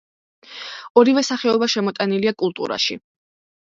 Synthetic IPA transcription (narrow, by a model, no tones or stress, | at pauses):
ɔɾivɛsaχɛɔbaʃɛmɔt̪ʼaniliakʼulˠt̪ʼṵɾa̰ʃḭ